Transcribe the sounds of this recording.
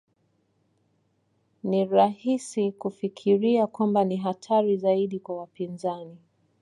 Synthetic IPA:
niɾahisikufikʰiɾiakwambaniɦatʰaɾizaiɗikwawapinzani

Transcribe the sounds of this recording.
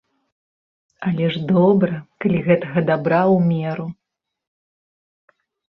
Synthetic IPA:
ɐlʲɛʐd̪ɔbɾɐkalʲiɣɛt̪ɐɣɐd̪abɾawmʲɛɾu

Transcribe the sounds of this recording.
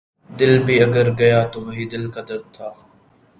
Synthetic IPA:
d̪ɪlbʱiːɐɡəɾɡɐjaːt̪oːʋɐɦiːd̪ɪlkad̪ɐɾd̪̚t̪ʰːaː

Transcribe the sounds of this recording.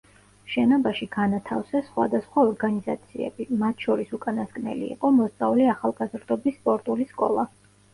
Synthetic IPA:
ʃɛnɔbaʃiɡ̥anat̪ʰafsɛsχwa̰d̪asχwaɔɾɡaniza̰t̪sʰiɛ̰bimat̪ʰʃɔɾisukʼanaskʼnɛ̰lḭːqʼɔmɔst̪sʼavliaχalˠɡazɾd̪ɔbisːpʼɔɾt̪ʼuliskʼɔ̰lˠa

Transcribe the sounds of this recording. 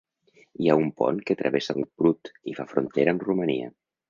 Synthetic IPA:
iaumpɔ̰nket̪ɾʔə̰βesəubɾut̪ifafɾunt̪eɾəːmruməniə̰

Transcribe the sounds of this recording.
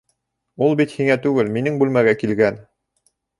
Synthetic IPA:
ulˠbit̪hiŋæt̪ʉɡɘlminɘŋbʉlmæɡækilɡæn

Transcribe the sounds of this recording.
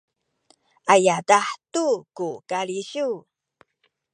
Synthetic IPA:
ʔajadaħtukukaɭiɕu

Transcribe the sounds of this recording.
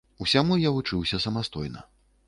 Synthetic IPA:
usʲamujavut͡ʂɨwsʲɐsɐmast̪ɔjnɐ̰

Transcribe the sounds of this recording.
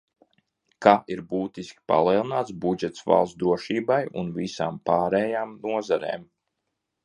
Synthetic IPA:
kaʔiɾbuːt̪iskʲi̥pa̰lˠiɛlˠinaːt̪sbud͡ʒɛt̪sva̰lˠsd̪ɾuɔʃiːbajṵnvisa̰ːmpaːɾɛjaːmnuɔzaɾḛːm

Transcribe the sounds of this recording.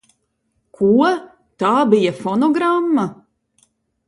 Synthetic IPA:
kʰuɔ | t̪aːbijafɔnɔɡɾamːa

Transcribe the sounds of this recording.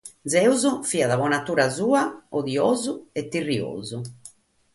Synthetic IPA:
d̪zɛuzɔfiːaðaβɔnat̪uːɾazuːaɔðioːzuɛt̪ːirio̰ːzu

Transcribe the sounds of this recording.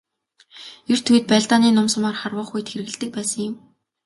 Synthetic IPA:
er̥t̪ʰuj̆t̪̚pæːɮt̪aːniːnʊmsə̆maːrχarwə̆ːχujt̪xeɾɘ̆ɣɘ̆ɮt̪ɘ̆k̚pæːsə̆ŋjɪ̆m

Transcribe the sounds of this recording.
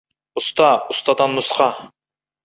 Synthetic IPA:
ʊst̪ɑust̪ɑd̪ɑnmusqʰɑ

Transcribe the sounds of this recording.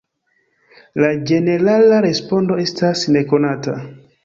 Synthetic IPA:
lad͡ʒe̞ne̞ɾalaɾe̞spo̞ndo̞e̞stasne̞ko̞nata̰

